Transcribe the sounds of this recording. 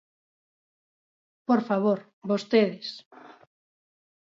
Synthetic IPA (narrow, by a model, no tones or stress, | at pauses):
poɾfaβ̞oɾ | βost̪eðɪs